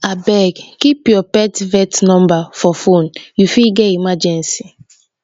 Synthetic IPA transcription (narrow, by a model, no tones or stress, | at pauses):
abɛɡkipjɔpɛtvɛtnɔ̃mbafɔfonjufilɡɛimad͡ʒɛ̃nsi